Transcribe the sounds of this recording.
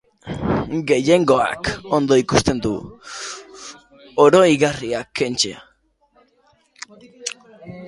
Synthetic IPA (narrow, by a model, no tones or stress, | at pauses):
ɡe̞je̞ŋɡo̞a̰ko̞nd̪o̞ikust̪e̞nd̪u | oɾo̞iɣariakʰe̞nt͡ʃḛa̰